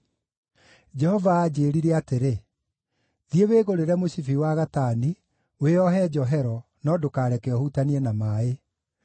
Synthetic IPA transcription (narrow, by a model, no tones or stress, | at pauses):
d͡ʒɛhɔvaːd͡ʑeːɾiɾɛateɾe | ðieweːɣoɾeɾɛmosifiwaɣataːni | weɔɦɛd͡ʒɔɦɛɾɔ | nɔdokaːɾɛkɛɔhutaniɛnamaːe